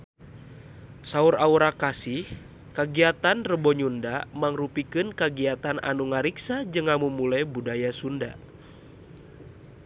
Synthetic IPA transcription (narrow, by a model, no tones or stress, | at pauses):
sauɾauɾakasih | kaɡiat̪anrəbɔɲundamaŋrupikɨnkaɡiat̪anʔa̰nuŋaɾiksad͡ʒɨŋamumulajbudajasunda